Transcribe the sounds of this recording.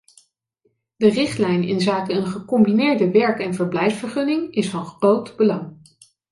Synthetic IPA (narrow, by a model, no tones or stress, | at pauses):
dərɪχtlɛjnɪ̰nzaːkəənχəkɔmbinɪːɹdəʋɛɹkɛnvəɹblɛjfsfəɹχɵnɪŋɪsfɑnχrowtbəlɑŋ